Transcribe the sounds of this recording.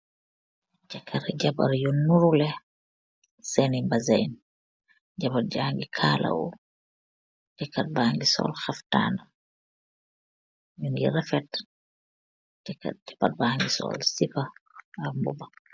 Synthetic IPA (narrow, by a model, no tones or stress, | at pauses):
t͡ʃakʰːaɾɛɟaba̰ɾjunːuɾulɛ | sɛnimbazajn | d͡ʒabad͡ʒaŋɡikʰalʔa̰wɔ̰ | tɛkːat̚baːŋɡisɔ̰lxafta̰ːna | junɡiɾɛfɛt | tɛkːa̰t̚tɛ̥pat̚baŋɡisɔ̰lsipaːɾmbɔ̰ba